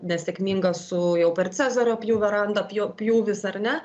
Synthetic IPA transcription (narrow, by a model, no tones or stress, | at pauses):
nʲɛsʲɛkmʲiːŋɡɐssʊjɛʊpʲɛrt͡sʲæːzoːɾʲoːpʲjuːʋʲɛɾɐnd̪ɐpʲjoːpʲjuːʋʲɪsɐrnʲɛ